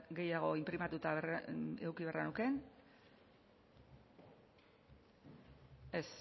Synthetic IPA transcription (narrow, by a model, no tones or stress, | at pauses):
ɡe̞jaɣ̞o̞impɾimat̪ut̪aḛwkiβeranuke̞n | es